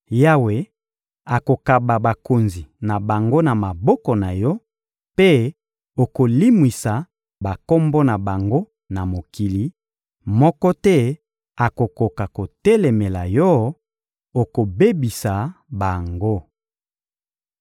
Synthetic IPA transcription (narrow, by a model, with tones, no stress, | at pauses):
ja˦we˨ | a˨ko˨ka˨ba˨ba˨ko˨nzi˨na˨ba˨ŋɡo˦na˨ma˨bɔ˦kɔ˨na˨jɔ˦ | pe˦ | o˨ko˨li˦mwi˨sa˨ | ba˨ko˦mbɔ˦na˨ba˨ŋɡo˦ | na˨mo˨ki˨li˨˦ | mɔ˦kɔ˦tɛ˦ | a˨ko˨ko˨ka˨ko˨tɛ˦le˨me˨la˨jɔ˦ | o˨ko˨be˦bi˨sa˨ba˨ŋɡo˦